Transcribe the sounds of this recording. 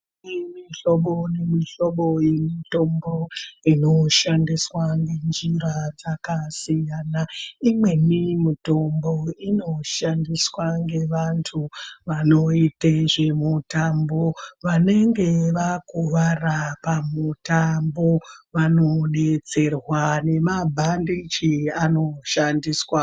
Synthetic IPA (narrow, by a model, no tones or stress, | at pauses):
nimiɬo̞ɓonemiɬoɓo̞jemito̞mboinoʃandiswaŋɡe̞nd͡ʒiɾad͡zakasijanaimwe̞nimito̞mboino̞ʃandiswaŋɡe̞ʋantʰuʋano̞iteʐemutambo̞ʋane̞ŋɡe̞ʋakuʋarapamutambo̞ʋano̞ne̞t͡se̞rwane̞mabʱandit͡ʃiano̞ʃandiswa